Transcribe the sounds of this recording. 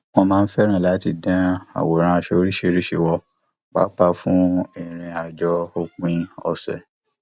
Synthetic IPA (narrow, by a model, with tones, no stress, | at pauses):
mɔ̃˧mãː˦n̩˦fɛ˦ɾ̃ã˦˨la˨˦ti˧˨dã˦a̰˨wo˨ɾ̃ã˧a˧ʃe˧˦ɾi˦ʃe˧ɾi˦ʃe˧wɔ˧ | ba̰˦k͡pa˧fũ˦i˨ɾ̃ĩ˧a˨d͡ʒɔ˦o˧k͡pĩ˦ɔ˧sɛ̰˨